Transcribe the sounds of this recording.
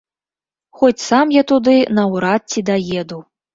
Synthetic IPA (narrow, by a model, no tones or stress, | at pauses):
xɔt͡sʲsamjat̪ud̪ɨnɐwɾat̪̚t͡sʲid̪ajɛd̪u